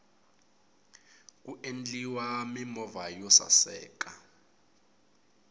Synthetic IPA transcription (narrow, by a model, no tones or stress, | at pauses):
k̬ʼuʔend͡ɮʼiwamimɔvajɔsa̰sɛ̰ːkʼa